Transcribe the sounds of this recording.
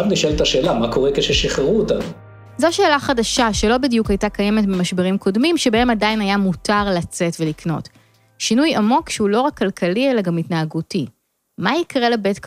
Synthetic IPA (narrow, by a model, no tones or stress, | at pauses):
avniʃelt̪aʃe̞ːlamako̞ʁekeʃeʃiχeʁuotam | zo̞ʃe̞ːlaχadaʃaʃelo̞bidjukajtakaje̞me̞tmimaʃbeʁimkʰo̞dmimʃebahe̞madainajamutaʁlat͡se̞tvelikno̞̰t | ʃinujamo̞kʃeulo̞ʁakːalkʰalielaɡamitnaːɡuti | maikʁe̞lebetk